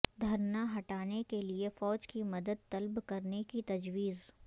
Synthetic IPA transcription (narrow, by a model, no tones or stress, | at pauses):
d̪ʱɐɾnaɦɐʈaːnekeliefɔːd͡ʒkimɐd̪əd̪̚t̪ɐlbkɐɾnekit̪ɐd͡ʒwiːz